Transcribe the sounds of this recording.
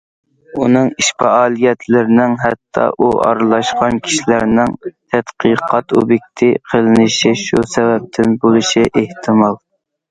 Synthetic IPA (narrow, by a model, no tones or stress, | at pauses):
unɨŋiʃpɑɑːlˠijɛt̪ʰlɪɾɪnɪŋɦɛt̪ʰːɑ̰ʔuʔɑ̰ɾɨlˠɑʃqɑnkʲʰi̥ʃilæɾnɪŋt̪ʰɛt̪qiqʰɑt̪o̰bjik̚ʲt̪ʰiqʰəlɪnɪʃiʃusɛvɛp̚t̪ʰɪnbolˠɨʃiʔeht̪ʰɨmɑlˠ